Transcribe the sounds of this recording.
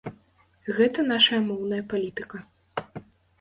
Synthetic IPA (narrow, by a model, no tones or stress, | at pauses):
ɣɛt̪ɐnaʂɐjɐmɔwn̪ɐjɐpalʲit̪ɨkɐ